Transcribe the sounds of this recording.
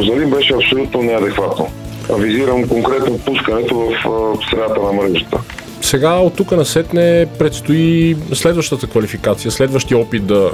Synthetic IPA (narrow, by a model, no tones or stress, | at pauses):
zɐlimbɛʃɛɐpsolʲut̪nonɛɐd̪ɛkvat̪no̰ | ɐviziɾəmkoŋkɾɛt̪nopuskənɛt̪ovɐfst̪ɾɛat̪ənɐmɾɛʒət̪ə̰ | sɛɡaot̪ːukənɐsɛt̪nɛpɾɛt̪st̪oislɛd̪vəʃt̪ət̪əkvɐlifikat̪sijəslɛd̪vəʃt̪iəɔpit̪̚d̪ɐ